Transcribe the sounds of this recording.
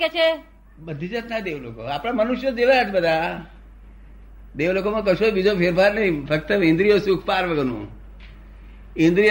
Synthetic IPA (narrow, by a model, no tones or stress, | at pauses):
ket͡ʃʰe | bəd̪ʱid͡ʒat̪nad̪eʋloko̰apɽ̃amənuʃjəd͡ʒeʋajat͡ʃʰbəd̪ʱa | d̪eʋlokomãkəʃobid͡ʒopʰeɾbaɾnəɦĩfʰək̚t̪əĩnd̪ɾijosukʰpaɾʋəɡənṵ̃ | ĩnd̪ɾij